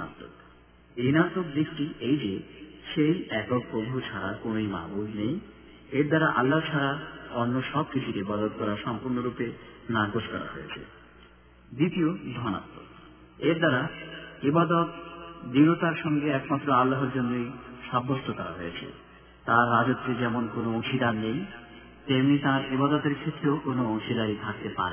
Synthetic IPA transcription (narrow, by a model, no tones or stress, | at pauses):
a̰t̪ːo̰k | inat̪okd̪ikʈiʔejd͡ʑeʃejɛkok̚pɾobʱut͡ɕʰaɾakonojma̰bulnej | eɾd̪aɾaʔalːaɦt͡ɕʰaɾaɔnːoʃɔbkit͡ɕʰuɾeibad̪ot̪̚kɔɾaʃɔmpuɾnoɾupenaɾɡoʃkɔɾa̰ɦojḛt͡ɕʰḛ | d̪it̪iod̪ʱɔna̰t̪ːo̰ | eɾd̪aɾaibad̪ot̪d̪iɡot̪aɾʃɔŋɡeɛkmat̪ːɾoalːaɦeɾd͡ʑonːojʃabːosʈʰok̪ɔɾa̰ɦojet͡ɕʰḛ | t̪aɾːad͡ʑot̪ːed͡ʑɛmonkonooʃʰid̪anej | t̪emnit̪aɾibad̪ot̪eɾkʰet̪ɾeokonoõŋʃid̪aɾit̪ʰak̚t̪epa̰ɾe